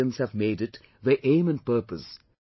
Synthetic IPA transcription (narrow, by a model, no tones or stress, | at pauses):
ə̃nz̥hævmeːdɪʈ | ðəʔẽːmɨ̃n̚pəːpəs